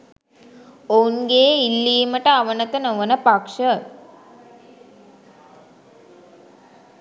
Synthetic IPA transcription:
ounɡeːilːiːməʈəaʋənət̪ənoʋənəpakʂə

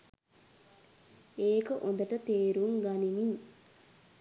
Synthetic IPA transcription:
eːkəʔond̪ɐʈət̪eːɾuŋɡɐnimiɲ

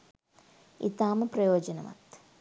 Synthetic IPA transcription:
ḭt̪aːmɐprɐjoːd͡ʒɐnɐmɐ̰t̪

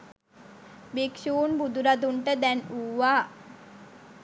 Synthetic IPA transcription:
bikʃuːnbud̪uɾad̪uɳʈəd̪ɛnuːʋaː

